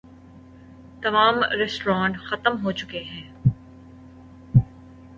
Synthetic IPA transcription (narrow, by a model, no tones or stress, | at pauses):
t̪ɐmaːmɾɛsʈɾãːɳʈxɐt̪əmɦot͡ʃʊkeɦɛ̃ː